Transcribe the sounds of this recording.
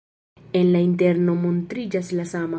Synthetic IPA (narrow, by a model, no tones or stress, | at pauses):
enlaint̬eɾno̞montɾid͡ʒaslasama